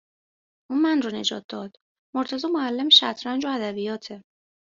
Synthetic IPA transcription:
ʔunmænrɔne̞d͡ʒɒ̰ːt̪̚d̪ɒːd̪̥ | moɾt̪ʰæzɒːmoælːemʃæt̪ʰɾænd͡ʒoæd̪æbijɒːt̪ʰe

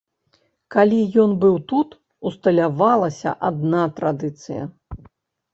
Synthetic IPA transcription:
kalʲijɔnbɨwt̪ut̪ | ust̪ɐlʲavalˠɐsʲɐ̰ʔad̪̚nat̪ɾad̪ɨt̪sɨjɐ̰

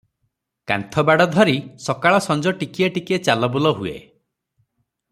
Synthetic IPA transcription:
ka̰nt̪ʰɔbaɽɔd̪ʱɔɾisɔkaɭɔsɔnd͡ʒɔʈikiaʈiket͡ʃalɔbulɔɦuḛ

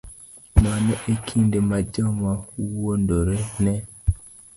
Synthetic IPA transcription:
manɔʔekʰindemad͡ʒɔmauwondoɾenɛ

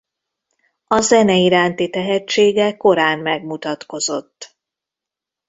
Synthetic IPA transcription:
ɒzɛnɛiɾaːnt̪it̪ɛɦɛt͡ʃːeːɡɛko̞ɾaːmːɛɡmut̪ɒt̪ko̞zo̞t̪ː

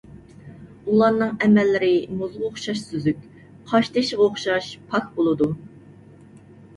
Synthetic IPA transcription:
ulˠɑnɨŋɛmɛlːɪɾɪmuzʁoχʃɑʃsyzykʲ | qʰɑʃt̪ʰɛʃʁɑoχʃɑʃpʰɑk̚bolˠɨd̪u

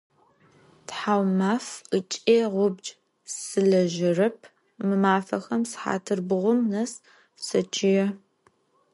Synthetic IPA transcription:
tħaːwmaːfət͡ʃʼeːʁʷʊbd͡ʒ | sɨɮɐʒɪrɐpʰ | mɨmaːfɐxɐmsħa̰ːtʰɨrbɨʁʷʊmnɐs | sɐt͡ʃʰɪjɛ

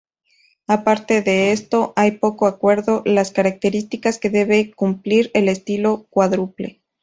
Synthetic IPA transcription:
apaɾt̪e̞ðe̞est̪o̞ʔajpo̞koakwe̞ɾðo̞laskaɾak̚t̪e̞ɾist̪ikaske̞ðe̞βe̞kumpliɾele̞st̪ilo̞kwaðɾuple̞̰

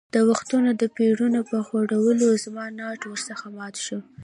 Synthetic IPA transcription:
d̪̥əwaxt̪unod̪əpeɽunopəxoɽawəlozmɑnɑʈwəɾsəxamɑt̪ʃu

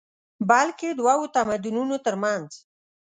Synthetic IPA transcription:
balked̪wawot̪amad̪ununot̪əɾmanz

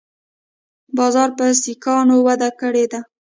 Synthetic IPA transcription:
bɑzɑɾpəsikɑnowad̪akəɽed̪a

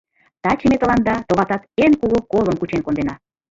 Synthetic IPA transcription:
t̪ɑt͡ɕəmet̪əlɑnd̪ɑt̪oβɑt̪ɑt̪enkuɣokolənkut͡ɕenkond̪enɑ

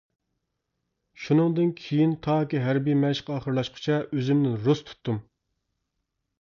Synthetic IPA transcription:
ʃunɨŋd̪ɨnkʲʰejint̪ʰɑːkʲiɦæɾbijmɛʃqʰɑːχəɾlˠɑʃqʰə̥t͡ʃʰɛʔøzymnɪnɾust̪ʰu̥t̪ʰːum

